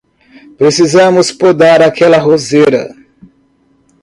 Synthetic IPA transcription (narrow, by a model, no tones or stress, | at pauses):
pɾesizɐ̃mʊspod̪aɾakɛlɐɦozeɾɐ̰